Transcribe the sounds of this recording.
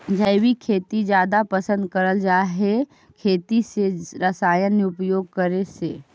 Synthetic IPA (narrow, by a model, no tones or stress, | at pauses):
d͡ʒəɪwikʰeːt̪id͡ʒjaːd̪apəsə̃nd̪̚kəɾəld͡ʒaːɦe | kʰeːt̪iseɾəsaːjənmeʊpjoːɡ̚kəɾeseː